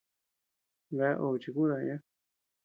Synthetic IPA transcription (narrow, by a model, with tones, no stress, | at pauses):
βa˧˦ʔo˧˨˧t͡ʃi˧ku˦ða˧ɲã˦